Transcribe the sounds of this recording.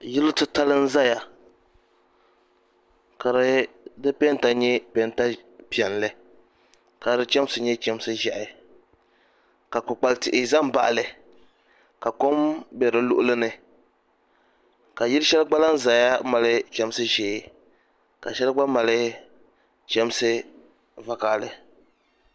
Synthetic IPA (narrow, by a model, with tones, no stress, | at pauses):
jɪ˦lɨ˦tɨ˦ta˦lɨ˦n̩˦za˦ja˨ | ka˨ɾɨ˦dɨ˦pɛ˦n˦ta˨ɲɛ˦pɛ˨nta˦pi˨ɛ˨nlɨ˦ | ka˨ɾɨ˦t͡ʃɛ˦m˦sɨ˨ɲɛ˦t͡ʃɛ˦m˦sɨ˦ʒɛ˨ʔɪ˨ | ka˨k͡pʊ˨k͡pa˨ltɪ˨ʔɪ˨za˦m˦ba̰˨ʔa˨lɨ˨ | ka˨ko˦mbɛ˨ɾɨ˨lʊ̰˦ʔʊ˦lɨ˦nɨ˨ | ka˨ji˦ɾʃɛ˦lɡ͡ba˦la˦n̩˦za˨ja˦ma˨lɨ˦t͡ʃɛ˦m˦sɨ˦ʒɛː˨ | ka˨ʃɛ˦lɡ͡ba˦ma˨lɪ˦ | t͡ʃɛ˦msɨ˦ | va˨kaː˨lɨ˨